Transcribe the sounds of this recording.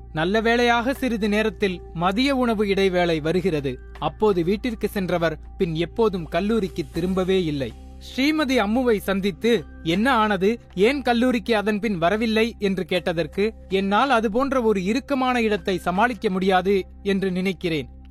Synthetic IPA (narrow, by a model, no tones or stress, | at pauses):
nɐlːɐʋeːɭɐjaːɣɐsɪɾɯðɯneːɾɐt̪ːɪl | mɐðɪjɐʊɳɐʋɯɪɽɐɪʋeːɭɐɪʋɐɾɯɣɪrɐðɯ | ɐpːoːðɯʋiːʈːɪrkɯsɛndrɐʋɐɾ | pɪnɛpːoːðɯmkɐlːuːɾɪkːɯt̪ːɪɾɯmbɐʋeːɪlːɐɪ | sɾiːmɐðiɐmːɯʋɐɪsɐnd̪ɪt̪ːɯ | ɛnːɐaːnɐðɯ | eːnkɐlːuːɾɪkːɯɐðɐnpɪnʋɐɾɐʋɪlːɐɪɛndrɯkeːʈːɐðɐrkɯ | ɛnːaːlɐðɯp̬oːndrɐɔɾɯɪɾɯkːɐmaːnɐɪɽɐt̪ːɐɪsɐmaːɭɪkːɐmʊɽɪjaːðɯ | ɛndrɯnɪnɐɪkːɪreːn